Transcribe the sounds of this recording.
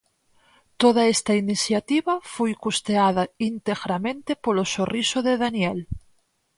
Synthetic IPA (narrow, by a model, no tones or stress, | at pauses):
t̪oðaest̪ainiθjat̪iβafojkust̪eaðaint̪eɣɾamẽnt̪epolosorʔisoðeðanjel